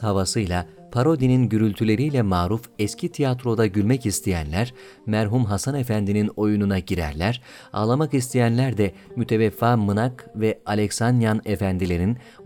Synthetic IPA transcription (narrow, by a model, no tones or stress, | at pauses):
havasɯjlˠa | pʰaɾo̞d̪ininɟyɾylʲt̪ʰylʲe̞ɾijlʲɛmaːɾufɛscʰit̪ʰijat̪ɾo̞d̪aɟylʲmɛcist̪ʰejænlʲæɾ̥ | mæɾɦumɦasane̞fænd̪inino̞jununaɟiɾæ̰ɾlʲæɾ̥ | a̰ːlˠamakist̪ʰijænlʲæɾd̪ɛmyt̪ʰe̞vɛfːaːmɯnakvɛalʲɛksanjanefænd̪ilʲe̞ɾin